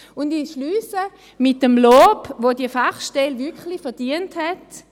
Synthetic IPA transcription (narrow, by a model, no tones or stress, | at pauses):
ʊndiʃlyːsə | mɪt̚dəmloːpʋodiəfaχʃtɛlvɪɐkχlifɛɐd̥iənthɛt